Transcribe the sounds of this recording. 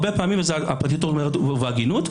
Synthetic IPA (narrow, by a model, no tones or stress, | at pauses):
bepaamimvezeaapʁat̪̬itoomeʁet̪veaɡinut̪